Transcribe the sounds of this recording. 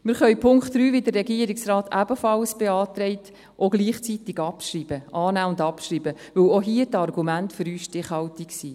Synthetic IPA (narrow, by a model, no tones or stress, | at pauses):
mɪɾχœʏpʰʊŋktryːʋidərɛɡiəɾiksrɑːtæbəfɑlsb̥eɑːt̪ɾɛɪt | ʔoɡliːχt͡sit̪ɪɡɑpʃriːb̥əʔɑːnæːʊndɑpʃriːbə | ʋɵwoɦiətɑrɡumæntføɾyːsʃtɪχhɑltiksi